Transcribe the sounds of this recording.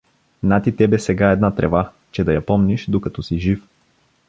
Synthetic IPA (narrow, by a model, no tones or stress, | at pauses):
nat̪it̪ɛbɛsɛɡaɛd̪nat̪ɾɛva | t͡ʃɛd̪ɐjɐpɔmniʃd̪okɐt̪ɔsiʒif